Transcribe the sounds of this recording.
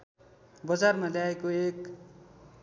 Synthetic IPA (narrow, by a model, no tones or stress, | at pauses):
bʌd͡zarmaljaekoek